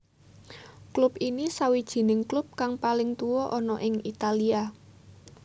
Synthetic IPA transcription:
klupinisawid̥ʒ̥i̤nɪŋklʊp̚kaŋpalɪŋt̪uwɔʔɔnɔʔɪŋit̪alia

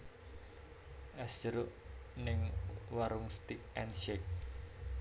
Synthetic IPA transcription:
ʔɛsd͡ʒəɾʊʔnɪŋwaɾʊŋst̪ik̚ɛnʃek̚

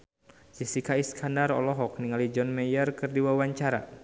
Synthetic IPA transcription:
sisikaiskʰandaɾɔ̰lɔɦɔk̚niŋalid͡ʒɔnmɛjərkɨrdiwawaɲt͡ʃaɾa̰

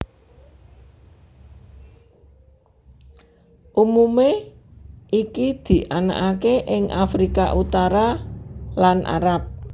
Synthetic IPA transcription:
ʔumume | ʔikid̪̥i̤ʔana̰ʔakeʔɪŋʔa̰fɾikaʔut̪aɾa | lanʔa̰ɾap̚

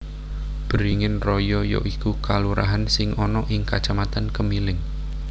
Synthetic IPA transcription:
b̥əɾiŋɪnrɔjɔjɔ̰ʔikukaluɾaɦansɪŋɔnɔʔɪŋkat͡ʃamat̪ankəmilɪŋ

